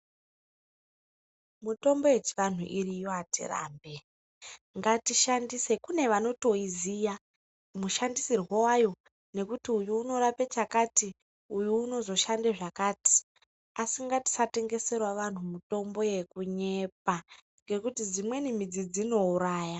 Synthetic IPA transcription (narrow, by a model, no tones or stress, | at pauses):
muto̞mbo̞je̞t͡ʃi̥ʋan̤ṵʔiɾijoatʰḭra̰ːmbe̞ | ŋɡatiʃandise̞kune̞ʋano̞to̞izija | muʃandisirɦwowajo̞ | ne̞kutiujuːno̞ɾapet͡ʃakati | ujuːno̞zo̞ʃandeʐakaːti̥ | asiŋɡati̥sate̞ŋɡe̞se̞rwaʋan̤umuto̞mbo̞je̞kuɲe̞p̚a | ŋɡe̞kutid͡zimwe̞nim̤id͡zid͡zino̞uɾaːja